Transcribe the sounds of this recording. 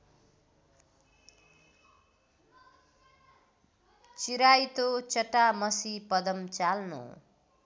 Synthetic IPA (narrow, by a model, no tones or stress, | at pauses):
t͡siɾajt̪ot͡sʌʈːamʌsipʌd̪ʌmt͡salnṵ